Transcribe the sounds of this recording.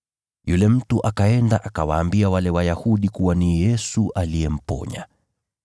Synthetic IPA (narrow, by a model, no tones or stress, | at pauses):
julɛm̩tuʔakaɛndaʔakawaːmbiawalɛwajahuɗikuwanijɛsuʔalijɛm̩pɔ̰ɲa̰